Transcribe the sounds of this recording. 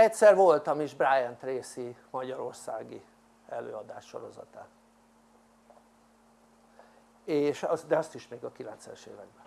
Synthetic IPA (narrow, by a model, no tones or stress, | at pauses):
ɛcʲsɛrvo̞lt̪ɒmiʒbrajɛnt̪reːsimɒɟɒɾo̞rsaːɡḭ | ɛlø̰ːɒd̪aːʃːo̞̰ɾo̞zɒ̰t̪aː | eːʃɒd̪ɛɒst̪iʃmeːɡɒkilɛnt̪sɛ̰ʃḛːvɛɡ̚bɛ